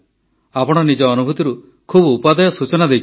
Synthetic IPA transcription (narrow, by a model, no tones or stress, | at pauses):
apɔɽ̃ɔnid͡ʒɔːnubʱut̪iɾu | kʰubupad̪ɔjɔsut͡ʃɔnad̪ejt͡ʃʰ